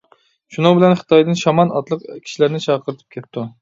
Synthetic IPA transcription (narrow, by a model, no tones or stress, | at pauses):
ʃunɨŋbɪlɛnχɨ̥t̪ʰɑjd̪ɨnʃɑmɑnɑt̪lˠəqkʲʰi̥ʃilæɾnɪt͡ʃʰɑqʰəɾɨt̪ʰɨ̥p̚kʲʰet̪ːu